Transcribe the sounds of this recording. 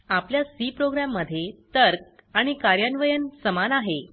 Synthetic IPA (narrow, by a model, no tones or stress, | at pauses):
apljasipɾoɡɾamːəd̪ʱːjet̪əɾk̚aɽ̃ikaɾjanʋəjənsəmanaɦe